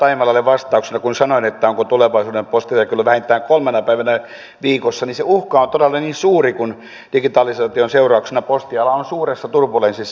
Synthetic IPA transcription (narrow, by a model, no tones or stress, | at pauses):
t̪ɑimɑlɑlːeʋʋɑst̪ɑuksenɑkunsɑnoinet̪ːæoŋkot̪uleʋɑisuːdempost̪ijɑkylːoʋæhent̪ːˑæːŋkolmenɑpæiʋænæ | ʋiːkosːɑniseuhkɑont̪odelːɑniːnsuːrikun | d̥iɡit̪ɑːlisɑːt̪ionseurɑuksenɑpost̪iɑlɑonsuːresːɑt̪urpulensisː